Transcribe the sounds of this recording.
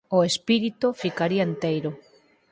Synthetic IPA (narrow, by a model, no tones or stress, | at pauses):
oespiɾit̪ʊfikaɾiaent̪ejɾʊ